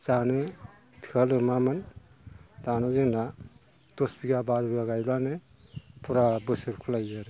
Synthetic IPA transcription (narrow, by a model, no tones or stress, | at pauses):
z̥anɯ | tʰɯalɯmamɯn | zanazɯŋna | tɔsbiɡabaɾubiɡaɡajlanɯ | pʰuɾabɯsɯɾkʰulajzɯɾ